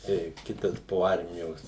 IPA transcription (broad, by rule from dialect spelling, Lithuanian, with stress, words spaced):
tɐɪ ˈkʲɪtɐs poː ˈɐrʲmʲɪjoːs